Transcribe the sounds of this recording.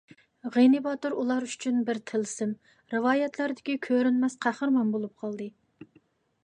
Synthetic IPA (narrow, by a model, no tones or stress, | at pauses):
ʁenɨbɑt̪ɨɾulˠɑɾy̥t͡ʃʰynbɪɾt̪ʰɪlsɪm | ɾɨwɑːjɛt̪lˠæɾd̪ɪkʲikʲʰøɾynmɛsqʰæχəɾmɑmbolˠup̚qʰɑlˠd̪ɨ